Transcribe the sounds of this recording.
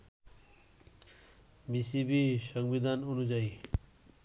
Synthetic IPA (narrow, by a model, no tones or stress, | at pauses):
bisibisʌŋbid̪ʱanonud͡ʒaj